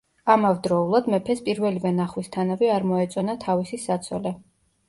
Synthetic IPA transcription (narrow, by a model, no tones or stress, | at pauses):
amavd̪ɾɔulˠad̪mɛpʰɛspʼiɾvɛlivɛnaχwist̪ʰanavɛaɾmɔɛt̪sʼɔnat̪ʰavisisat̪sʰɔlɛ